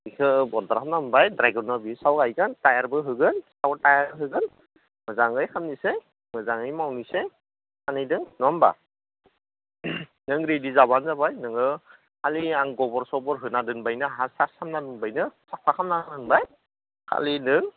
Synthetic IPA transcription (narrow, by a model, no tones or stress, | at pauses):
ikʰɯbɔdaɾkʰamnambajdɾajɡɯɾnabisawajɡɯntajaɾbɯɦɯɡɯnsawtajaɾɦɯɡɯn | mɯzaŋɯjkʰamnise | mɯzaŋɯjmawnise | anɯjdɯŋnɔmba̰ | nɯŋɾedizaβanzabajnɯŋɯ | haliaŋɡɔbɔɾsɔbɔɾɦɯnadɯnbajnɯaɦasasʰamnadɯmbajnɯsapʰakʰamnaɯnbaj | kʰa̰linɯŋ